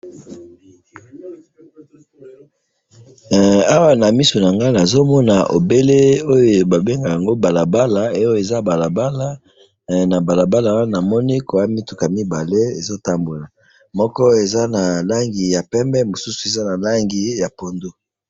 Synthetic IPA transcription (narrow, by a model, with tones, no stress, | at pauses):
a˦wa˨na˨mi˦su˨n˨a˨ŋɡa˦na˨zo˦mɔ˦na˨ʔo̰˨be˦le˦o˦jo˨ba˨be˦ŋɡa˨ja˨ŋɡo˦ba˨la˨ba˦la˨e˦o˦o˨e˨za˦ba˨la˨ba˦la˦ | na˨ba˨la˨ba˦la˨˦wa˦na˨mɔ˦ni˦ko˨wa˦mi˦tu˨ka˨mi˦ba˨le˦e˨zo˦ta˦mbo˨la˨ | mɔ˦kɔ˦e˨za˦na˨la˦ŋɡi˨ja˨pɛ˦mbɛ˦mo˨su˦su̥˨e˨za˦na˨la˦ŋɡi˨ja˨po˨ndo˦